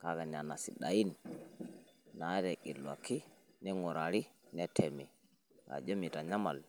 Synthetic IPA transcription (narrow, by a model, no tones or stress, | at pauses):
kakanianasiɗajin | nadɛkilːwa̰kːinɛŋɔɾaɾinɛtʰɛmi | ka̰d͡ʒomitaɲama̰l